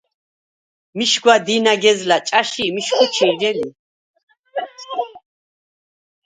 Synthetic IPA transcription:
miʃɡwad̪inaɡɛzlat͡ʃʼaʃimiʃkʰut͡ʃʰiɾd͡ʒɛli

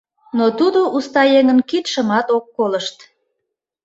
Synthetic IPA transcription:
not̪ud̪oʔust̪ɑjeŋənkit̪ʃəmɑt̪okːoləʃt̪

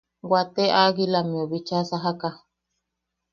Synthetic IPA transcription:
wat̪eʔaɡilamioβit͡ʃasaɦaka

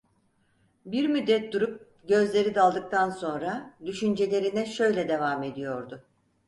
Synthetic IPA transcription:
biɾmyd̪ːɛt̪̚d̪uɾup̚ | ɟø̞zlʲe̞ɾid̪alˠd̪ɯk̚t̪ʰanso̞nɾad̪yʃynd͡ʒe̞lʲe̞ɾinɛʃø̞jlʲɛd̪e̞vame̞d̪ijo̞ɾd̪ʊ

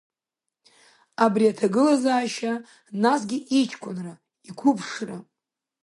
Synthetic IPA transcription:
abriatʰaɡɨlazaːʃa | nasɡʲɪʔit͡ʃʰkʷʰʼʊnra | ikʷʰʊpʰʂra

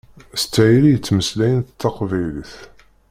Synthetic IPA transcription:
st͡sːæjlijət͡sːməslæjənθt̪ːɑqvæjliθ

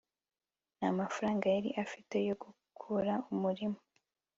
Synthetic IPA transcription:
namafaɾaːŋɡajaɾḭʔafite̞jo̞ɡukʰuɾaumuɾimoo

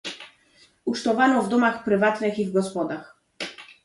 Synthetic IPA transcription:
uʂt̪ɔvanɔvd̪ɔmaxpɾɘvat̪nɘxivɡɔspɔd̪ax

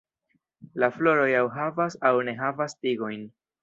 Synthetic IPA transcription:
laflo̞ɾo̞jawɦavasawne̞ɦavastiɡo̞jn

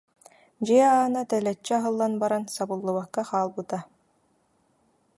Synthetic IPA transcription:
d͡ʑiɛaːnat̪ɛlɛt͡ɕːɛaɦɯlˠːanbaɾansabɯlˠːuβakːaχaːlˠbɯt̪a

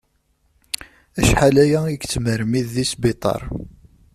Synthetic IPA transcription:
æʃħalæjæiɡt͡sːməɾmiðːisbit̪ˤɑ̰ɾˤ

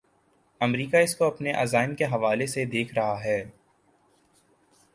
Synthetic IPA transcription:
ɐmɾiːkaɪskoɐpneʔɐzaːɪmkeɦɐʋaːlesed̪eːkʰɾɐɦaɦɛː

